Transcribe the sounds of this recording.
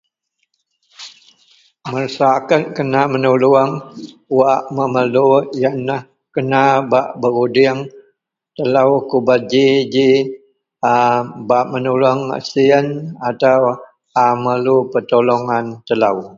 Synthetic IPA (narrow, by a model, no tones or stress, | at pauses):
mərsakət̚kənamənuluəŋ | waʔməməlujanah | kənabaʔbəɾudɪəŋ | t̪əlawkubat̪̚d͡ʒid͡ʒi | abaʔmənulaŋa̰siənat̪aw | aməlupət̪oloŋant̪əlaw